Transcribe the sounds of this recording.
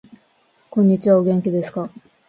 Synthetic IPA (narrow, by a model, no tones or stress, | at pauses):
kõ̞ɲ̟ːit͡ɕiβaoɡẽ̞ŋkʲid̪e̞sɨ̥ka